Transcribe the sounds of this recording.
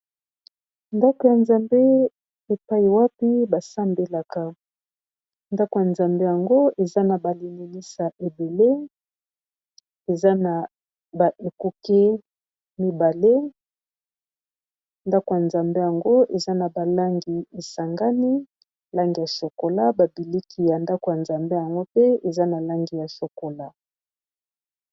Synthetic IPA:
nda˦ko˨ja˨nza˨mbe˦ | e˨pa˦i˨wa˦pi˦ba˨sa˦mbe˨la˨ka˨ | nda˦ko˨ja˨nza˨mbe˦ja˨ŋɡo˦e˨za˦na˨ba˨li˨ni˨ni˦sa˨ʔe˨be˨le˦ | e˨za˦na˨ | ba˨ʔe˨ku˦ke˦ | mi˦ba˨le˦ | nda˦ko˨ja˨nza˨mbe˦ja˨ŋɡo˦e˨za˦na˨ba˨la˦ŋɡi˨e˨sa˨ŋɡa˦ni˦ | la˦ŋɡi˨ja˨so˨ko˨la˦ba˨bi˨li˦kʰi˨ja˨nda˦ko˨ja˨nza˨mbe˦ja˨ŋɡo˦pe˦e˨za˦na˨la˦ŋɡi˨ja˨so˨ko˨la˦

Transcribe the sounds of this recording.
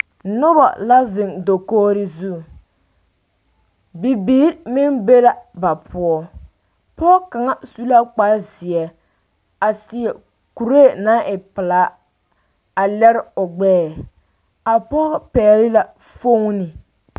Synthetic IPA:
nʊ˦ba̰˨la˦zɪ˨ŋdo˨koː˦ɾɪ˦zu˦˨ | bi˨biː˦ɾmɪ˦nbe˦la˦ba˨pʰʊ˦ɔ˦ | pɔː˦ka˨ŋa˦su˦la˦k͡pa˦zɪ˨ɛ˨ | a˨sɪ˨ɛ˨ | ku˨ɾeː˦˨na˦ʔɪ˨pɪ˨laː˨˦ | a˨lɛ˦ɾɪ˦ʊ˨ɡ͡bɛː˦˨ | a˨pɔ˦pɛː˨lɪ˦la˨ | fo˦ŋ˦nɪ˨

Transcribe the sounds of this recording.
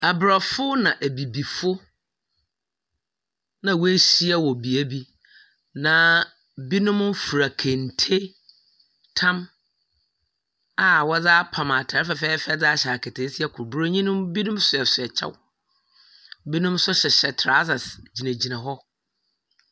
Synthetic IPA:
a˨bɾa˨fʊ˦nã˨ʔæ˨bi˨bi˨fʊ˦ | nã˨we˦ɕi˦a˦wɔ˨bi˨æ˦bi˦ | nã˨˦ | bi˦nʊ̃˦m̩˦fu˨ɾa˨kʰẽ˨n˨tʰe˦ | tʰã˦m | a˨wɔ˦d͡zaː˦pʰã˨ma˨tʰa˨ɾɪ˦fɛ˨fɛː˦fɛ˦d͡za˦ɕɛ˨a˨kʰɛ˨tʰe˨˦si˦ɛ˨kʰʊ˨ɾbu˦ɾo˦ɲĩ˦nʊ̃˦mbi˦nʊ̃˦msʊ˨ɛ˨sʊ˨ɛ˨t͡ɕʰɛ̰˦w | bi˦nʊ̃˦msʊ˦ɕɛ˨ɕɛ˨tʰɾa˦sa˨sd͡ʑi˨nã˨d͡ʑi˨nã˨ɦɔ˦

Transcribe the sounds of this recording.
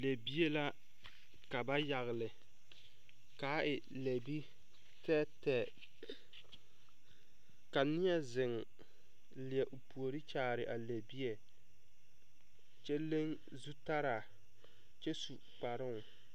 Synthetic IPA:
le˨bi˦e˦la˦ | ka˨ba˦ja˨ɣɪ˨lɪ˨ | ka˨˦ʔɪ˨ | le˨bi˦ | tɛ˦tɛ˨ | ka˨nɪ˦ɛ˦zɪ˨ŋ | lɪ˨ɛ˨ʔo˨pu˨o˨ɾi˦t͡ʃaː˨ɾɪ˨ʔa˨le˨bi˦e˨ | t͡ʃɛ˦le˦ŋ | zu˦ta˦ɾa˨ | t͡ʃɛ˦su˨k͡pa˨ɾɪ˦˨ŋ˨

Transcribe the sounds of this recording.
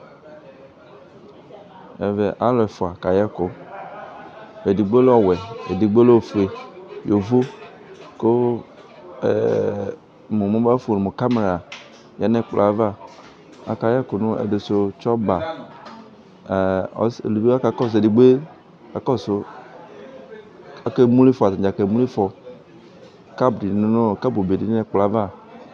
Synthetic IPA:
ɛ̰˨vɛ˨ʔa˦lɔ˨ɛ˨fo˨a˨ka˨jɛ˦ko˨ | e˨di˨ɡ͡be˦lɔ˦wɛ˨ḛ˨di˨ɡ͡be˦lo˦˨fe˨jo˨vo˦ | ko˦˨ | mo˨mõ˦ba˦fo˨ne˨mo˨ka˦me˨ɾa˨ | ja˨˦nɛ̃˦k͡pla˨˦va˦ | a̰˨˦ka˨˦jɛ˦ko˨nũ˦ḛ˨de˨so˦t͡ʃɔ˦ba˨ | ɔ̰˨˦sḛ˨lu˨bi˦a˦ka˨˦kɔ˦˨s̬e˨di˨ɡ͡be˦ | ka˨kɔ˦so˦ | a˨ke˦mũ˦li˦fɔ˨a˨ta˨d͡ʒa˨ke˨mũ˦li˦fɔ˨ | ka˦bdi˨n˦no˦˨ka˦bo˨be˨di˨n˦ɛ˦k͡pla˨˦va˦˨

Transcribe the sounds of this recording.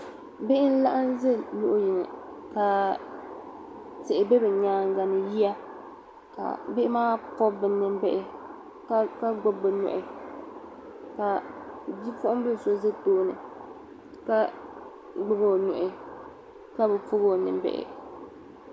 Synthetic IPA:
bɪ˦ʔɪ˦n̩˦la˦ʔa˦nzɨ˦nʊ˦ʔʊ˦ji˨nɨ̰˨ka˨ | tɪ˨ʔɪ˨bɛ˦bɨ˨ɲaː˨˦ŋ˦ɡa˨nɨ˨ji˦a˦ | ka̰˨bɪ˦ɪ˦maː˦pɔ˦bɨ˨˦nɨ˦mbɛ˦ʔɪ˦ | ka˦ka˦ɡ͡bʊ˦bɨ˨nʊ̰˨ʔɪ˨ | ka˨di˦fʊ˦ʔʊ˦m˦bɨ˦˨so˦zɨ˦toː˦nɨ̰˨ | ka˦ | ɡ͡bʊ˦bo˦˨nʊ̰˨ʔɪ˨ | ka˦bɛ˨fʊ˦ɣo˦˨nɨ̰˨m˦bɛ̰˨ʔɪ̰˨

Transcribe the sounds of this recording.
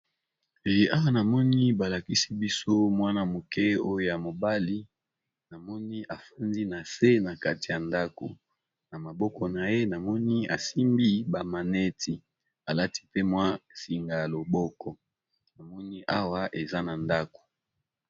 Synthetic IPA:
e˨ja˦wa˦na˨mɔ˦ni˦ba˨la˨ki˦si˦bi˦so˦mwa˦na˦mo˨kɛ˦o˦jo˦ja˨mo˨ba˦li˦ | na˨mɔ˦ni˦ʔa˨fa˦ndi˦na˨se˦na˨ka˦ti˨ja˨nda˦ko̰˨ | na˨ma˨bɔ˦kɔ˨na˨je˦na˨mɔ˦ni˦a˨si˦mbi˦ba˨ma˨nɛ˦tʰi˨ | a˨la˦ti̥˦pe˦mwa˦si˨ŋɡa˨lo˨bɔ˦kɔ˨ | na˨mɔ˦ni˦ʔa˦wa˦ʔe˨za˦na˨nda˦ko̥˨

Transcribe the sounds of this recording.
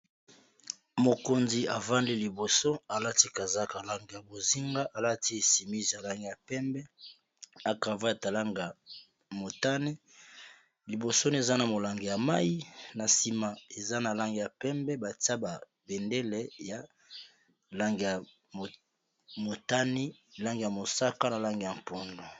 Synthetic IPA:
mo˨ko˨nzi˨a˨va˦ndi˦li˨bo˨so˦a˨la˦ti˦ka˨za˦ka˨la˦ŋɡe˨ja˨bo˨zi˦ŋɡa˦ʔa˨la˦ti˦e˨si˨mi˦zi˨ja˨la˦ŋɡe˨ja˨pɛ˦mbɛ˦ | a˨ka˨va˦a˨ta˨la˦ŋɡa˨ | mo˨ta˦ni˦ | li˨bo˨so˦ni˦e˨za˦na˨mo˨la˨ŋɡe˨ja˨ma˦ji˦na˨si˨ma˨e˨za˦na˨la˦ŋɡe˨ja˨pɛ˦mbɛ˦ba˨ta˦ba˨ | be˨nde˦lɛ˨ja˨ | la˦ŋɡe˨ja˨ | mo˨ta˦ni˦˨la˦ŋɡe˨ja˨mo˨sa˦ka˦na˨la˦ŋɡe˨ja˨mpo˨ndo˨

